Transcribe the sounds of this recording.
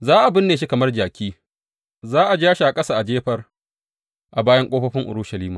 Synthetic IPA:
zaː˦ʔa˨bɪ˦nːeː˨ʃ̬i˦kɐ˨mɐ˦rd͡ʒaː˨kʲiː˦ | zaː˦ʔa˨d͡ʒaː˦ʃa˨ʔa˨kʼɐ˦saː˨ʔa˨d͡ʒeː˦ɸɐ˦r | ʔa˨baː˦jɐ˦ŋkʷʼoː˦ɸɐ˦ɸɪ˦ŋʔʊ̰˨ɾʊ˦ʃɐ˨liː˦maː˨

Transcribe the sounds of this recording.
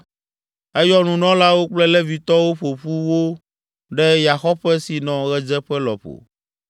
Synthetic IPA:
ɛ˦jɔ˦nũ˨nɔ̃˦la˦wo˦k͡plɛ˦lɛ˦vi˨t̪ɔ˦wo˦ɸo˨ɸu˦wo˦ | ɖɛ˦ja˨xɔ˦ɸɛ˦si˨nɔ̃˨ɣɛ˦d͡ʒɛ˦ɸɛ˦lɔ̰˨ɸo̰˨

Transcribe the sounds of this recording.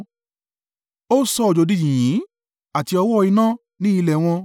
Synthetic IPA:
o˦sɔ˧ɔ˨d͡ʒo˨˧di˦d͡ʒĩ˨jĩ˨˦ | a˨ti˧ɔ˧wɔ˦˧i˧nã˦˨ | nĩ˦i˧lɛ˨w̃ɔ̃˧

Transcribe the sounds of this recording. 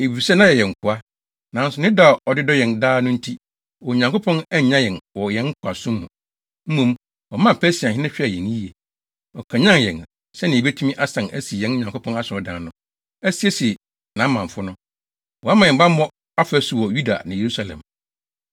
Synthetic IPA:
e˨bi˨sɛ˦nã˦jɛ˨jɛ̃˨ŋ̩˨kʰʊ˨a˦ | nã˨˦n̩˦sʊ˨nɪ̃˦da˦˨ɔ˨dɪ˦dɔ˦jɛ̃˨ndaː˦nʊ̃˦n̩˦tʰi˦ | wɔ˨ɲã˨ŋko˦pʰɔ̃˦nɛ˦˨ɲã˦jɛ̃˨nwɔ˨jɛ̃˦ŋ˦kʰʊ˨a˨sũ˦m˦hũ˨ | m̩˦mũ˨m | ɔ˨mã˦˨pʰæ˦si˨a˨hɪ̃˦nɪ̃˦ɕᶣɪ˦a˨jɛ̃˨n˦i˦e˨ | ɔ˨kʰã˨ɲã˦njɛ̃˨n | sɛ˦nɪ̃˨e˨be˦tʰu˦ĩ˦ʔa˦sã˨nʔæ˦si˨jɛ̃˦n˦ɲã˨ŋko˦pʰɔ̃˦na˦sɪ˨ɔ˨dã˨nʊ̃˦ | æ˦si˨˦e˦si˨ | nã˨˦mã˨ɱ̩˨fʊ˦nʊ̃˦ | wɔ˨a˦mã˨jɛ̃˨bã˦m˦mɔ̃˦ | a˦fæ˦su˨wɔ˨ju˦da̰˨nã˨je˨ɾu˦sa˦˨lɛ̰̃˨m

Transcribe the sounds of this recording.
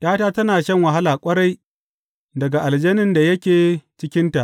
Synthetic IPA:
ʔaː˦taː˦tɐ˦naː˨ʃɐ˦˨ŋwɐ˨ɦa˦laː˨kʷʼɐ˦ɽa˦j | dɐ˨ɡa˨ʔa˨ld͡ʒeː˦nɪ˦˨nda˨jɐ˦kʲeː˨t͡ʃɪ˦kʲɪ˦nta˨ʔ

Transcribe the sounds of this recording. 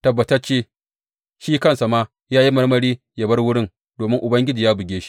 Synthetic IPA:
tɐ˨bːɐ˨tɐ˦rt͡ʃeː˦˨ | ʃiː˦kɐ˦nsa˨maː˦ | jaː˦ji˦mɐ˦rmɐ˦ɾiː˦ | jɐ˨bɐ˦rwʊ˦ɽɪ˦ŋ | doː˨mɪ˦ŋʔʊ˨bɐ˦ŋɡʲɪ˦d͡ʒi˨jaː˦bʊ˨ɡʲeː˦ʃi̥˦

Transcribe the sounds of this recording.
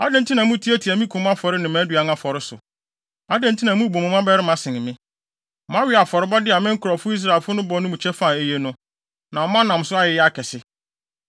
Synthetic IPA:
a˦dɛ̃˨ntʰi˦nã˨mũ˦tʰi˦æ˦tʰi˨æ˨mĩ˦kʰũ˨m˦a˦fɔ˨ɾɪ˦nɪ̃˨mæ̃˨˦dɥa˨˦na˦fɔ˨ɾɪ˦sʊ̰˨ | a˦dɛ̃˨n˦tʰĩ˦nã˨˦mũ˦bo˨mʊ̃˨˦mã˦bɛ˦ɾɪ˦mã˦sɪ̃˨nɪ̃˨mɪ̃˦˨ | mã˦wɪ˦a˨fɔ˨ɾɪ˦ba˦dɪ˦a˨mɪ̃˦ŋ̩˦kʰʊ˨ɾɔ˨fʊ˦i˦s̬ɾa˨e˨fʊ˦nʊ̃˦bɔ˦nʊ̃˦mũ˨t͡ɕʰɛ˦fa˦˨e˦je˦nʊ̃˦ | nã˨mã˦nã˨m˨sʊ˦a˦jɪ˨jɪ˦a˦kʰɛ˨sɪ˦

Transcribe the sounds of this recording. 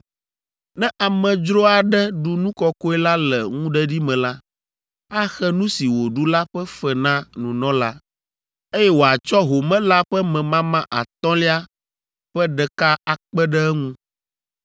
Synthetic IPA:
nɛ̃˦ʔa˨mɛ̃˨d͡ʒɾo˦a˨ɖɛ˦ɖu˨nũ˦kɔ˦ko˦ɛ˦la˦lɛ˨ŋũ˦ɖɛ˦ɖi˦mɛ̃˨la˦ | a˦xɛ˦nũ˦si˨wo˨ɖu˦la˦ɸɛ˦fɛ˨nã˦nũ˨nɔ̃˦la˦ | e˦jɛ˦wo˨a˨t͡ʃɔ˦ɦo˨mɛ̃˦la˦ɸɛ˦mɛ̃˨mã˦mã˦ʔa̰˨t̪ɔ̃˦li˦a˦ | ɸɛ˦ɖɛ˨ka˦a˨k͡pɛ˦ɖɛ˦ɛ˦ŋũ˦

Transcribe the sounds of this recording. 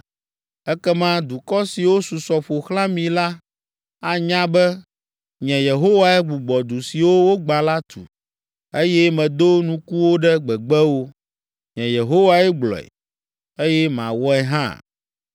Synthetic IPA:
ɛ˦kɛ˦mã˦d̪u˨kɔ˦si˨wo˦su˨sɔ˨ɸo˨xlã˦mĩ˨la˦ | a˨ɲã˦bɛ˦ | ɲɛ̃˨je˨ɦo˦wa˨ɛ˦ɡ͡bu˨ɡ͡bɔ˨d̪u˨si˨wo˦wo˦ɡ͡ba˨la˦t̪ṵ˨ | e˦jɛ˦mɛ̃˨d̪o˦nũ˦ku˦wo˦ɖɛ˦ɡ͡bɛ˨ɡ͡bɛ˦wo˦ | ɲɛ̃˨je˨ɦo˦wa˨ɛ˦ɡ͡blɔ̰˨ɛ̰˨ | e˦jɛ˦mã̰˨wɔ˦ɛ˦ɦã̰˦˨

